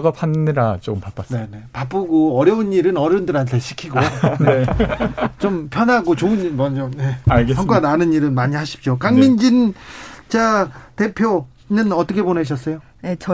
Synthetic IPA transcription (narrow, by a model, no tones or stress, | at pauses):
ɡapʰanːɯɾat͡ɕompap͈as͈ne̞ne̞pap͈ɯɡoʌɾjʌɯniɾɯnʌɾjʌundɯɾɦantʰe̞ɕʰi̥kʰiɡone | t͡ɕompʰjʌnɦaɡot͡ɕoɯnimʌnd͡ʑʌeaɭɡesʰʌŋk͈ananɯniɾɯnmaɲiɦaɕʰi̥p̚t͡ɕ͈okaŋmind͡ʑint͡ɕate̞pʰjo | nɯnʌt͈ʌkʰe̞poneɕ̬ʰʌs͈ʌjo | net͡ɕ